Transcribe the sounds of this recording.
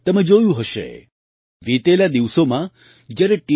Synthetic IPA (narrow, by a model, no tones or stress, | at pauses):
t̪əmed͡ʒojũɦəʃḛ | ʋit̪elad̪iʋsomã | d͡ʒjaɾeʈi